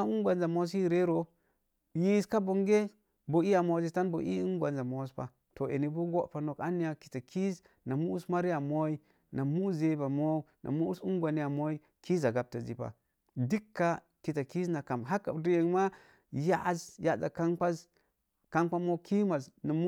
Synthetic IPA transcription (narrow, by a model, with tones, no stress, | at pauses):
u˦ŋɡʷa˨nza˨mo˦s̬i˦ɾe˦ɾo˨ | ji˦ska˦bo˨ŋɡe˦ | bo˨i˦ja˨mo˨˦zi˨ta˦nbo̰˨ʔḭ˦u˦ɡʷa˨nza˨mo˨˦spa̰˨ | to˨ʔḛ˨ni˨bu˦ɡo˦ʔpa˨no˨ka˦ni˦ja˨ki̥˨ta˨kʰi˦z | na˨mu˦sma˦ɾi˦a˨mo˦i˦ | na˨mu˦ze˨˦ba˨mo˦nʔa̰˨mu˦su˦ŋɡʷa˨ni˦ja˨mo˦i˦ | ki˦za˨ɡa˨b̚ta˨zḭ˨pa̰˨ | di˦kːa˦ | ki˨ta˨ki˦na˨ka˨mɦa˦kːa̰˨di˦e˨ŋma˦ | ja˦ʔzja˦za̰˨ka˦nk͡pa˦z | ka˦nk͡pa˦mo˦ki˦ma˨zna˨mu˦